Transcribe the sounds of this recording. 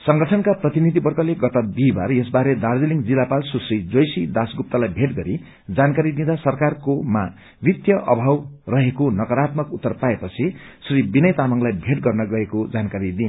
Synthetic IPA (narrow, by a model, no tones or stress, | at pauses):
sʌŋɡʌʈʰʌnkaprʌt̪inid̪ʱibʌrkʌleɡʌt̪ʌd̪iba̰ɾjesbaɾed̪ard͡ziliŋd͡zilapalsusrid͡zojsid̪asɡup̚t̪ʌlajbʱeʈɡʌɾi | d͡zankaɾid̪ĩd̪asʌrkarkoma | bit̪jʌʔʌbʱawrʌɦekonʌkʌɾat̪mʌkut̪ːʌrpaepʌt͡sʰisribinʌjt̪amʌŋlajbʱeʈɡʌrnʌɡʌɦekod͡zankaɾid̪in